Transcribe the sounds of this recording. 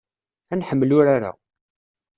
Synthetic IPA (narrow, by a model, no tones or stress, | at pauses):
ænħəmːlʊɾaɾa̰